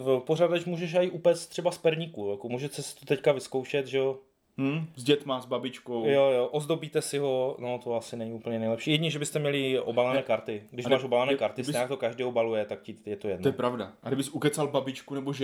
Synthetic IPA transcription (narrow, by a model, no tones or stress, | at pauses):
poradɛt͡ʃmuːʒɛʃ̬aɪʔupɛːst̪t̪r̥ɛbaspɛɾɲikujakomuːʒɛsɛsɪ̥t̪ot̪ɛckavɪskowʃɛt̪ʒɛo | m̩zɟɛt̪mazbabɪt͡ʃkowjojoʔozdobiːt̪ɛsɪɦo̞not̪oasɪnɛɲɪupl̩ɲɛnɛjlɛpʃiːjɛdɲiʒɛbɪst̪ɛmɲɛlɪʔobalanɛːkaɾt̪ɪɡdɪʃmaːʃobalanɛːkaɾt̪ɪsɲaːkt̪okaʒdiːobalujɛt̪ak̚cɪjɛt̪ojɛdnojɛpɾavdaadɪbɪsukɛt͡salbabɪt͡ʃkunɛboʒɛ